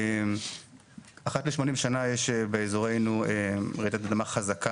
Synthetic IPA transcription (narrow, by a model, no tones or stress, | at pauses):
aχat̪leʃmo̞nimʃanajeʃebeezoʁe̞jnueʁet̪at̪ad̪amaχazaka